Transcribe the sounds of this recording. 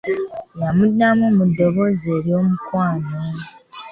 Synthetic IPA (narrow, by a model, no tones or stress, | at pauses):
jamudamumudːo̞βozeɾjo̞ːmukwaːno